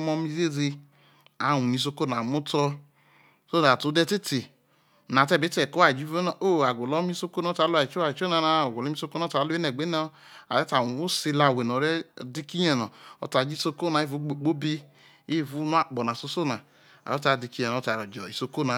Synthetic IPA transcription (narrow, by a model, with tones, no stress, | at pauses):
mɔ˧mi˧ze˦ze˧ | a˨wu˨ni˨˧s̬o˧ko˦˨n˨a˨mu˦tɔ˧ | so˦˨a˨tu˨˦dɛ˦˧te˦te˨ | na˨tɛ˦˨be˨˦tɛ˨ko˦a˨d͡ʒi˦vo˦n˨o˦˨a˨ɡo˨lɔ˦mi˦so˧ko˦nɔ˦ta˨˦la˨i˨t͡ʃo˦a˨i˨t͡ʃo˦na˧na˧˨o˨ɡo˨li˦mi˦so˧ko˦na˨˦ta˨˦lo˦e˦nɛ˨ɡ͡be˦n˦ | a̰˨ɾɛ˦ta˨wu˨u˦si˧la˧˨we˨nɔ˨˦ɾɛ˦di˦˧ki˦ɲɛ˨nɔ˨ɔ̰˨ta˨d͡ʒi˦so˧ko˦na˨˦i˦vu˨˦ɡ͡bo˨˦k͡po˦bi˦ | i˦˨vu˨˦nu˦a˨k͡pɔ˨na˨so˧so˦˨na˨ | a̰˨ɔ˦ta˨di˧ki˦jɛ˨˦ta˨ɾɔ˨d͡ʒɔ˨i˨so˧ko˦na˨